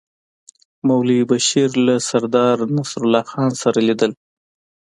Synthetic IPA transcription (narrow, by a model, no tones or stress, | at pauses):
mawlibaʃiɾlasaɾd̪ɑɾnasɾʊlɑxɑnsaɾalid̪əl